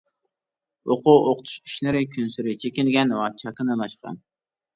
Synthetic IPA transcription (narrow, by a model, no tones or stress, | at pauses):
oqʰuʔoqt̪ʰu̥ʃi̥ʃlɪɾɪkʲʰynsyɾɪt͡ʃʰekʲɪlɡʲɛnwɛt͡ʃʰɑkɨnɨlˠɑʃqɑ̰n